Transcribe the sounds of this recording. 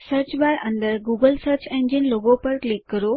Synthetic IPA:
səɾt͡ɕʋaɾə̃nd̪əɾɡuɡəlsəɾt͡ɕẽnd͡ʑinloɡõpəɾklikːəɾo

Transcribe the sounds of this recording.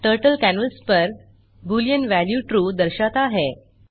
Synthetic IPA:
ʈəɾʈəlkænəlspəɾ | bulijənʋæljuʈɾuːd̪əɾɕat̪aɦe

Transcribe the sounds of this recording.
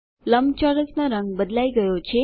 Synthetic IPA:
ləmbt͡ʃɔɾəsnaɾəŋɡbəd̪laiɡəjot͡ʃʰe

